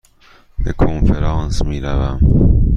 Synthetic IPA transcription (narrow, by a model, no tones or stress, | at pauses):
b̥ḛkʰonfeɾɑːnsmiːɾævæm